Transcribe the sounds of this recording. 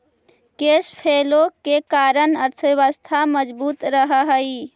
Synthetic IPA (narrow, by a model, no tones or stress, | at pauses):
kespʰelokekaɾənəɾt̪ʰəeʋəst̪ʰaməd͡ʒbuːt̪ɾəɦəɦəj